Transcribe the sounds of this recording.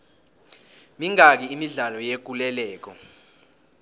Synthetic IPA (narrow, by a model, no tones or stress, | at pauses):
miŋak̬iimiɮalɔjek̬ulɛlɛːk̬ɔ̰